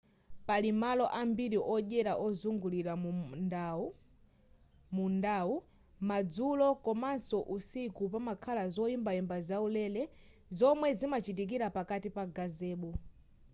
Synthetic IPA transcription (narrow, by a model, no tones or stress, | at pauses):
palimalɔʔambiɾiʔɔʄɛɾaʔɔzuŋɡuliɾa | mundau | mad͡zulɔkɔmansɔʔusikupamakʰalazɔimbaɛmbazaulɛlɛ | zɔmwɛzimat͡ʃit̬ik̬iɾapakatipaɡazɛːɓɔ